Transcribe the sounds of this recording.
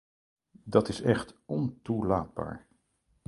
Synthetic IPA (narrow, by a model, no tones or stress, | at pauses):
dɑtɪsɛχtɔntulaːd̚ba̰ːɹ